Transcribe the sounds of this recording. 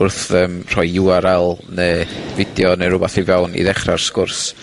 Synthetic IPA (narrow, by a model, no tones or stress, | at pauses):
ʊrθəːmr̥ɔjuaɾalˠneːvɪdjɔneɾʊbaθivɛwnḭðɛχrarskʊrs